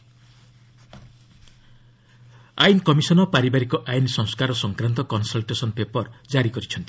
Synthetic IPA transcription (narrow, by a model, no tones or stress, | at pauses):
a̰jnkɔmisɔnɔpaɾibaɾikɔʔajnsɔŋskaɾɔsɔŋkɾant̪ɔkɔnsɔlʈesɔnpepɔɾd͡ʒaɾikɔɾit͡ʃʰɔnt̪i